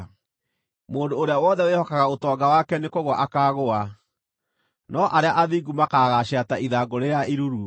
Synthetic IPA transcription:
moːndoːɾeawɔðɛwehɔkaɣaotɔːɡawakɛnekoɣwaʔakaːɣoa | nɔʔaɾeaʔaðiɡumakaɣaɕataʔiðaɡoɾeɾjaiɾuɾu

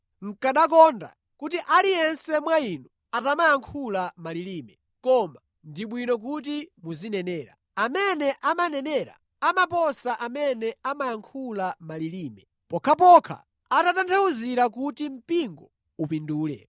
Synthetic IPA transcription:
ŋ̩kaɗak̬ɔnda̰ | kutiʔalijɛnsɛmwainu | atamajaŋkʰulamaliliːmɛ | kɔma | ndiɓwinɔk̬ut̬imuzinɛnɛːɾa̰ | amɛnɛʔamanɛnɛɾa̰ | amap̬ɔsaʔamɛnɛamajaŋkʰulamaliliːmɛ | pɔkʰapɔkʰa̰ | atatantʰauziɾakutim̩piŋɡɔ | upinduːlɛ̰

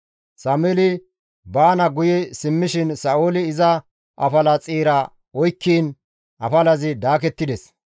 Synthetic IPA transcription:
samɛlɪ | baːnɐɡʊjɛsɪmːɪʃɪnsɐoːlɪːzɐ | ʔɐ̰fɐlɐt͡sʼiːɾɐ | ɔjkːiːn | ʔɐfɐlɐzɪd̪aːkɛt̪ːɪd̪ɛs

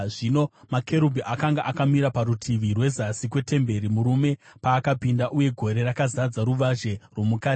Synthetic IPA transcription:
ʐino̞makʰe̞ɾubʱiʔakaŋɡaʔakamiɾapaɾutʰiʋirwe̞zasikwe̞te̞mbe̞ɾimuɾume̞paːkapindaʔuje̞ɡʱo̞ɾe̞rakazad͡zaɾuʋaʒe̞rwo̞mukaːi̥

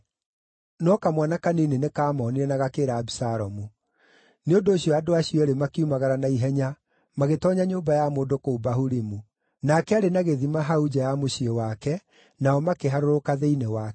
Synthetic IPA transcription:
nɔkamwanakaneːnenekaːmɔːniɾɛnaɣakeɾaːbisaɾɔmu | neondoːɕiɔadoaɕijɔeɾemakeumaɣaɾanaiɦɛɲa | maɣetɔɲaɲoːmbajamoːdokoubahuɾimu | nakɛaɾenaɣeðimaɦaud͡ʒajamoɕiɔwakɛ | naɔmakeɦaɾoɾokaðeinewa

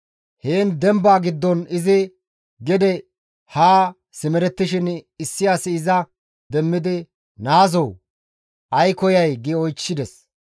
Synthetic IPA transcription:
heːnd̪ɛmbaːɡɪd̪ːɔnɪzɪ | ɡɛd̪ɛ | haː | sɪmɛɾɛt̪ːɪʃɪnɪsːɪjaːsɪːzɐ | d̪ɛmːɪd̪ɪ | naːzɔw | ʔɐjkɔjɐjɡɪɔjt͡ʃːɪd̪ɛs

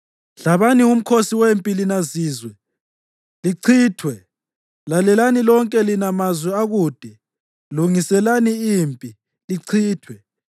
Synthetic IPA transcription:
ɮaβanium̩kʰosiwempʼilinaziːzwɛ | liǀʰiːtʰwɛ | lalɛlanilɔŋkʼɛlinamazwɛaɣuːd̥ʱɛ | luŋisɛlaniiːmpʼi | liǀʰiːtʰwɛ

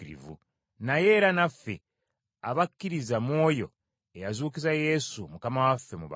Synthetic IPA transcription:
ɾḭvṵ | naje̞ɾanafːe | aβakːiɾizamwo̞ːjo̞ | ejazuːkizaje̞sumukamawafːemuβa̰

